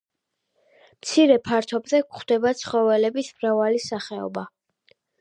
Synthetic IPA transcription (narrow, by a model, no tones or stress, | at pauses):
mt̪sʰiɾɛpʰaɾt̪ʰɔbzɛkχd̪ɛbat̪sʰχɔvɛlɛbismɾavalisaχɛɔ̰ba